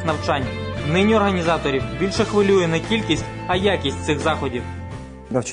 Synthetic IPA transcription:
nɐwt͡ʃɑnʲnɪnʲiɔrɦɐnʲizɑt̪ɔɾʲiwbʲilʲʃɛxʋɪlʲujɛnɛkʲilʲkʲisʲtʲ | ɐjakʲisʲtʲt̪sɪxzɑxɔdʲiw | nɐwt͡ʃ

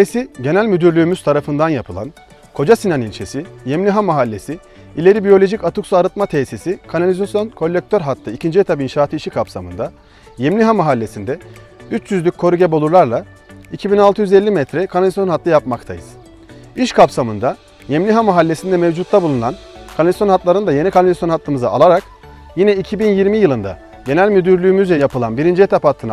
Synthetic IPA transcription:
esiɟe̞nælʲmyd̪yɾlʲyːmyz̥t̪ʰaɾafɯnd̪anjapʰɯlˠa̰n | kʰo̞d͡ʒasinanilʲt͡ʃʰesijemlʲiɦamaɦalʲːe̞si | ilʲe̞ɾibijo̞lʲo̞ʒicat̪uksuaɾɯt̪̚mat̪ʰesisikʰanalʲizasjo̞nkʰo̞lʲːek̚t̪ʰøɾɦat̪lːˠɯicʰind͡ʒijet̪ʰapinʃaːt̪ʰɯiʃikʰapsamɯ̰nd̪a | jemlʲiɦamaɦalʲːe̞sind̪ɛyt͡ʃjyzlʲycʲʰːo̞ɾuɟebo̞lˠuɾlˠaɾlˠa | icʰibinalˠt̪ʰɯjyzɛlʲːimɛt̪ɾɛkʰanalʲizsjo̞nɦat̪lˠajapmakt̪ʰa̰jɯz̥ | iʃkʰapsamɯnd̪a | jemnʲiɦamaɦalʲːe̞sind̪ɛmevd͡ʒut̪ːabulˠununankʰanalʲisjo̞nɦat̪lˠaɾɯnd̪aje̞nikʰanalʲzasjo̞nhat̪ʰːɯmɯzaa̰lˠaɾak | jinɛicʰibinjiɾmijɯlˠɯnd̪a̰ | ɟe̞nælʲmyd̪yɾlʲyːmyzjapʰɯlˠa̰nbiɾind͡ʒiɛt̪ʰaphat̪ʰːɯna

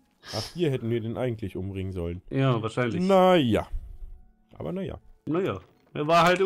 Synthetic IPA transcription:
ʔaχhiːɐɦɛtn̩viːɐdeːnʔa̰ɪɡŋ̩tʰlɪçʔʊmbʁɪŋənzɔlənjaːvaːɐʃaɪnlɪnaja̰ | ʔa̰ːbɐ̰naja̰najaː | ʔɛ̰ɐvaːɐɦaltɪ

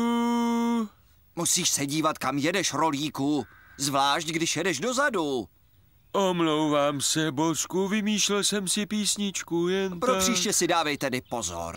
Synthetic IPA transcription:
u | musiːʃsɛɟiːvat̪kamjɛdɛʃɾo̞liːkuzvlaːʃcɡdɪʃjɛdɛʃdo̞zadu | ʔomlowvaːmsɛboskuvɪmiːʃlɛlsɛmsɪpiːsɲɪt͡ʃkujɛnpɾopr̥iːʃcɛsɪdaːvɛjt̪ɛdɪpo̞zo̰ɾ

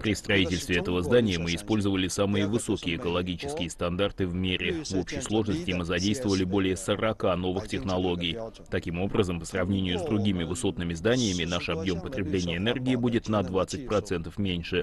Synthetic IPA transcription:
pɾʲɪst̪ɾɐitʲɪlʲst̪vʲɪɛt̪əvəzd̪anʲɪjəmɨɪspo̞lʲzəvəlʲɪsamɨjəvɨso̞kʲɪjəːkəlˠɐɡʲit͡ɕɪ̥skʲɪjəst̪ɐnd̪art̪ɨvmʲeɾʲʔɪvo̞pɕɪjslˠo̞ʐnəsʲtʲɪmɨzɐdʲejst̪vəvəlʲɪbo̞lʲɪjəsəɾɐkano̞vɨxtʲɪxnɐlˠo̞ɡʲɪj | t̪ɐkʲimo̞bɾəzəmpə̥srɐvnʲenʲɪjʊzd̪ɾʊɡʲimʲɪvɨso̞t̪nɨmʲɪzd̪anʲɪjəmʲɪnaʂɐbjo̞mpət̪ɾʲɪblʲenʲɪjəɛnɛrɡʲɪːbudʲɪt̪nɐd̪vat̪sɨt̚ʲpɾɐt̪sɛnt̪əfmʲenʲʂɨ

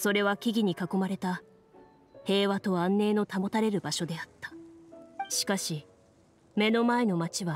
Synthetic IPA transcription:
so̞ɾe̞βakʲiɡʲiɲ̟ikako̞maɾe̞t̪a | he̞ːβat̪o̞ãnːe̞ːno̞t̪amo̞t̪aɾe̞ɾɯ̟baɕo̞d̪e̞at̪ːḁ | ɕi̥kaɕi | me̞no̞mae̞no̞mat͡ɕiβa

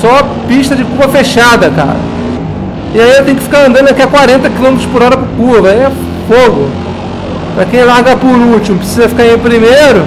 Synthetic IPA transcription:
sɔɐ | piʃt̪ɐd͡ʒɪkupɐfeʃad̪ɐka̰ɾɐ̰ | ɪaiewt̪ẽj̃ʊkɪfi̥kaɾɐ̃nd̪ɐ̃d̪akakwaɾẽnt̪ɐkilõmet̪ɾʊspʊɾɔɾɐpɾʊkuɐvɐiɛ | foɡʊ | pɾɐkẽj̃laɾɡɐpʊɾut͡ʃimʊpɾɪsizɐfi̥kaɾĩpɾimejɾʊ

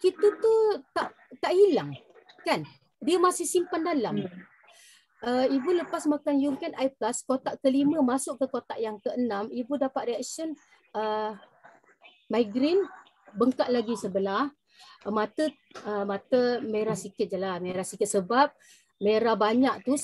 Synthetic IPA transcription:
kit̪ət̪ut̪aʔ | t̪aʔhilaŋ | kan | diəmasɪhsimpandalam | əibuləpasmakanjuŋkanʔajplaskot̪aʔkəliməmasʊʔkəkot̪aʔjaŋkəənamibudapat̪̚riak̚sən | ə | majɡɾɪn | bəŋkaʔlaɡisəbəlah | mat̪ə | əmat̪əmeɾasikɪt̪̚d͡ʒəlameɾasikɪt̪̚səbap̚ | meɾabaɲaʔ̚t̪u

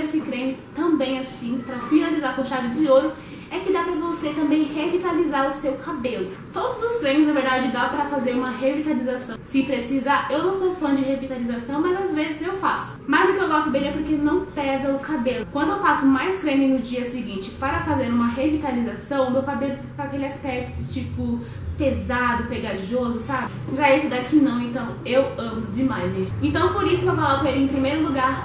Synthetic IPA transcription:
esɪkɾẽmɪt̪ɐ̃bẽj̃asĩpɾɐfinalizaɾkõʃad̪ʊd͡ʒɪzioɾʊ | ɛkɪd̪apɾɐvoset̪ɐ̃mbẽj̃hevit̪alizaɾʊsewkabelʊ | t̪od̪ʊzʊsk̪ɾẽmɪsznɐveɾd̪ad͡ʒɪd̪apɾɐfazeɾũmɐɦevit̪alizasɐ̃w̃sɪpɾesizaewnɐ̃w̃sowfɐ̃d͡ʒɪɦevit̪alizasɐ̃w̃mɐzazvezɪzewfasʊ̥mɐzʊkɪewɡɔst̪ʊbẽj̃ɛpoɾkenɐ̃w̃pɛzɐʊkabelʊkwɐ̃nd̪ʊewpasʊmajskɾẽmɪnʊd͡ʒiɐsɪɡĩnt͡ʃɪpaɾɐfazeɾũmɐɦevit̪alizasɐ̃w̃ʊmewkabelʊfipɾɐakelɪaspɛk̚t̪ʊt͡ʃipʊ | pezad̪ʊpeɡaʒozʊsabɪʒaesʊd̪akɪnɐ̃w̃ẽnt̪ɐ̃w̃ewɐ̃mʊd͡ʒɪmajzvid͡ʒẽnt̪ɐ̃w̃poɾisʊewfalɔɾkõelɪẽpɾimejɾʊluɡaɾ

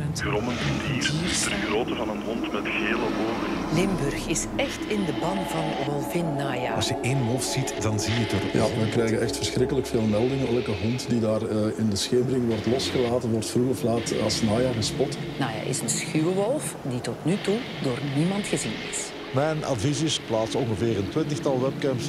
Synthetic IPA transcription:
ɡrɔmənvɑndiːrtərɣroːtəvɑnənɦɔntmɛtxeːləɦoːnə | lɪmbʏrxɪs | ɛxtɪndəbɑnvɑnʋɔlˠvɪnːaːjaːɑsjəʔeːnʋɔlˠfzitdɑnzijətərja̰ʋəkɾɛjɣəʔɛxtfərsxɾɪkələkfeːlˠmɛlˠdɪŋəɛlkəɦɔntdidaːrəɪndəsxeːməɾɪŋʋɔrtlɔsxəlaːtənʋɔrtfruɣɔflaːtɑ̰snaːjaːɣəspɔt | naːja̰ːʔɪ̰sənsxywəʋɔlˠf | ditɔtnytu | doːrnimɑntxəzinɪ̰s | mɛjnɑ̰dvizɪsplaːtsɔnɣəveːɾəntwɪntəxtɑlˠʋɛp̚kɛmps

